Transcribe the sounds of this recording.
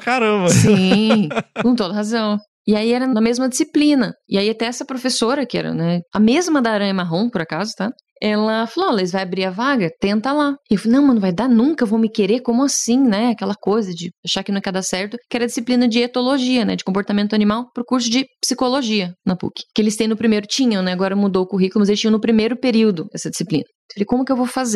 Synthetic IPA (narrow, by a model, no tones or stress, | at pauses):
kaɾɐ̃mɐsĩ | kõt̪od̪ɐɦazɐ̃w̃ | ɪaiɛɾɐnɐmezmɐd͡ʒɪsiplĩnɐɪaiat̪ɛɛsɐpɾofesoɾɐkɪɛ̰ɾɐ̰nɛɐmezmɐd̪aɾɐ̃ɪ̃maɦõw̃pʊɾakazʊt̪a | ɛlɐfalolezvajabɾiɾɐvaɡɐt̪ẽnt̪ɐlaɪewfnɐ̃w̃mɐ̃nũvajd̪anũkɐvõw̃mɪkeɾekõmʊasĩnɛakɛlɐkojzɐd͡ʒɪaʃakɪnɐ̃w̃ɛkad̪asɛɾt̪ʊkɪɛɾɐd͡ʒisiplĩnɐd͡ʒɪet̪oloʒiɐnɛ̰d͡ʒɪkõpoɾt̪amẽnt̪ʊanimawpɾʊkuɾs̬ʊd͡ʒɪpsikoloʒiɐnapṵkɪ̥kɪelɪst̪ẽj̃nʊpɾimejɾʊt͡ʃĩɲɐ̃w̃nɛaɡɔɾɐmud̪owʊkuɦikʊlʊmɐzelɪt͡ʃĩɲɐ̃nʊpɾimejɾʊpeɾiwd̪ʊɛ̰sɐd͡ʒɪsiplḭ̃nɐ | falejkõmʊkɪewvowfaze